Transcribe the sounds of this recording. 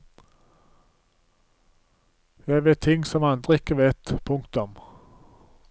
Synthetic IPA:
jæɪʋeːt̪ʰːɪŋːsɔmɑnd̪ʁəɪkːəʋeːt̪pʰʊŋkt̪ʊm

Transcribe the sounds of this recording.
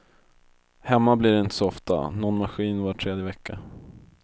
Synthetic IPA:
hɛmːablɪɖɛɪnt̪əsɔɔft̪a̰nɔnmaɧiːnvaʈʰɾeːd̪jəvɛkːa

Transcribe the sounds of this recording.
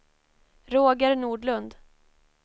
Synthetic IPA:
ɾoːɡəɾnuːɖɭɵnd̪

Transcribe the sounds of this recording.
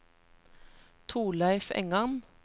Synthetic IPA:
t̪ʰuːlæɪfɛ̰ŋɑn

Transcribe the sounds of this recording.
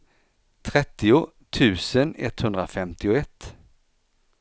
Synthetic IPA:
t̪ʰɾɛt̪ːɪʊ | t̪ʰʉ̟ːsənɛ̰t̪hɵnd̪ɾafɛmt̪ɪʊɛt̪ː

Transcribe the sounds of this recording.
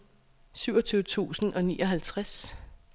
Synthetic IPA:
syʊɒ̽t͡sʰyːʊət͡sʰṵːsn̩ʔɒ̽nḭːʔɒ̽ɦælt͡sʰʁas

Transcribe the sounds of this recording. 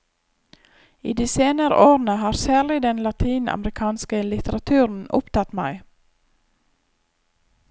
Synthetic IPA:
iːd̪iːseːnəɾə̰ʔoːɾn̩əhɑːɾsæːɭɪd̪ɛnlɑt̪ʰiːnɑ̰mɾɪkʰɑːnskəlɪt̪ʰəɾɑt̪ʰʉːɾn̩ʊ̰pt̪ʰɑt̪mæ̰ɪ

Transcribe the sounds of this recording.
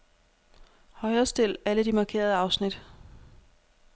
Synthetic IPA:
hɒ̽ɪɐsd̥e̝l̰æləd̥imɑ̈kʰe̝̰ːɐð̞ˠəɑ̈ʊsnid̥

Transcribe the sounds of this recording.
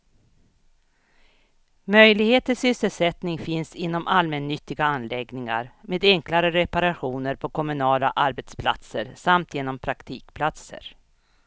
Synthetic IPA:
mœjlɪɡheːt̪əsʏsːəlsɛt̪nɪŋfɪnsɪnːɔmʔalmɛnːʏt̪ːɪɡaanːlɛɡnɪŋa̰ɾmeːd̪ɛŋklaɾəɾɛpaɾaɧuːnəɾpʰɔkʰɔmɵnɑːla̰ʔaɾbɛt̪spʰla̰t̪sə̰ɾsamt̪ʰjeːnɔmpʰɾakt̪ʰiːkpʰlat̪sə̰ɾ

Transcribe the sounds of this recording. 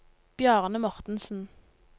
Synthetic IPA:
b̥jœːʁnəmɔʁt̪n̩sn̩

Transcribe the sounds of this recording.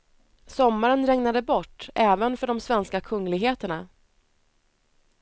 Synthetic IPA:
sɔmːaɾənɾɛŋnad̪əbɔʈːʔɛːvənfœɖɔmsvɛnskakʰɵŋːlɪɡɦeːt̪əɳa

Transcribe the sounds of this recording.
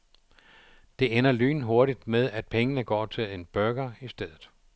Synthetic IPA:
d̥e̝enɐly̰ːn̩ɦo̝ɐɾid̥með̞ˠæd̥̚pʰeŋənəɡ̥ɒ̰ːt͡sʰe̝le̝nb̥ɶɐɡ̥ɐisd̥eð̰ˠð̩ˠ

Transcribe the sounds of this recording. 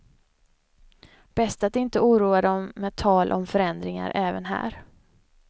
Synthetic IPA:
b̥ɛst̪at̪ɪnt̪əuːɾuːad̪ɔmmːɛːt̪ʰɑːlʔɔ̰mfœɾɛnd̪ɾɪŋa̰ɾʔɛːvənɦæ̰ːɾ

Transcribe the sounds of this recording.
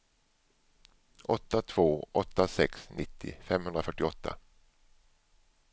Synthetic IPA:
ʔɔt̪ːat̪ʰv̥oːʔɔt̪ːasɛksnʔɪt̪ʰːɪ̰fɛmhɵnd̪ɾafœʈːɪɔt̪ʰːa̰

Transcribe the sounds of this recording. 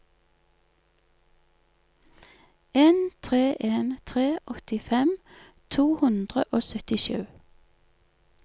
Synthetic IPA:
eːnt̪ʰʁeːʔeːnt̪ʰʁeːʔɔt̪ɪfɛm | t̪ʰuːhʉnd̪ʁəʔoːsœt̪ɪʃʉː

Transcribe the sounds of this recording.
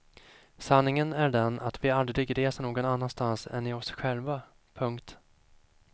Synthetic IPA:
sanːɪŋənæɖɛnʔa̰t̪vɪald̪ɾɪɡɾeːsaɳoːɡɔnanːanst̪ansɛ̰nɪɔsɧɛlva | pʰɵŋkt̪

